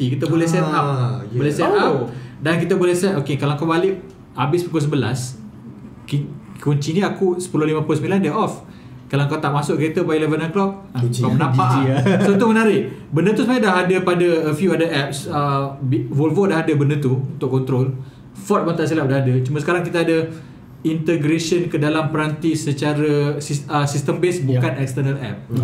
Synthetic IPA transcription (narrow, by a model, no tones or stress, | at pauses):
t̪ikit̪əbolɛhsɛt̪ap̚olɛsɛtap̚dankit̪əbolɛhsɛt̪okekalaŋkawbalɪʔ̚ | abɪsbikos̬əbəla̰s | kikuɲt͡ʃinĩakusə̥pulolimãplosəmilandɛɔf | kalaŋkat̪aʔmasʊʔ̚kəɾet̪əbajilɛvənanklɔk̚ | kamənãpaʔsot̪umənaɾɪʔbəndət̪usəmaadaɦadəpadəəfjuadaʔɛp̚səbwolvodaɦadəbəndət̪uunt̪ʊʔkːɔnt̪ɾol | fɔt̪̚mant̪aʔsilap̚daɦadət͡ʃumãsə̥kaɾaŋk̬it̪aadə | int̪əɡɾeʃənkədalampəɾant̪isət͡ʃaɾəsisəsist̪əmbesbukanɛkst̪ənəlɛ̰p̚